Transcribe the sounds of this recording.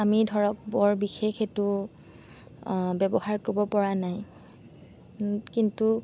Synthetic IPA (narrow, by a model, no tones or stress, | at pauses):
amidʱɔɹɔk̚bɔɹbixexetu | bɛbɔhaɹkobɔpɔɹanaj | kintu